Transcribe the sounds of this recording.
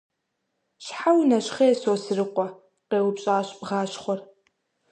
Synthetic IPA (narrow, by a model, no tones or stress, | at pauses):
ɕħawnɐɕχeːsoːsɨrɨqʷɔ | qeːwʊpɕʼaːɕpʁaːɕχʷɔr